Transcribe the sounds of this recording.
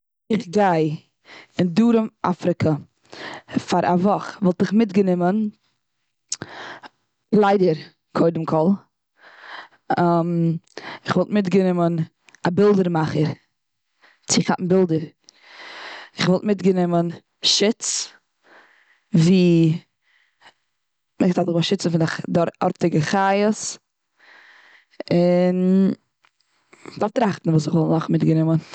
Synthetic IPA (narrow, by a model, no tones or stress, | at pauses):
ɪχɡaɪ | ɪnduːɾəmʔa̰fɾɪkʰə | faɾʔa̰vɔχvɔlˠtɪχmɪtɡənɪmən | lˠaɪdəɾ | kʰoɪdəmkʰɔlˠ | am | ɪχvɔlˠtmɪtɡənɪmən | abɪlˠdəɾmaχəɾ | t͡sɪχaʔn̩bɪlˠdəɾ | ɪχvɔlˠtmɪtɡənɪmən | ʃɪt͡s | viː | mɛɡzatɪχvaʃɪt͡sn̩fɪndaχdɔɔ̰ɾtɪɡəχajəs | ɪn | d̥aɾftɾaχtn̩vuːsɪχvɔlˠnɔχmɪtɡənɪmən